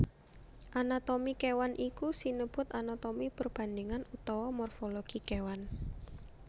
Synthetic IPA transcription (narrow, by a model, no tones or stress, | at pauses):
ʔanat̪omikewanʔikusinəb̥ʊ̤t̪anat̪ɔmipərb̥a̤nd̪ɪŋanut̪ɔwɔmɔrfɔlɔɡ̥ikewan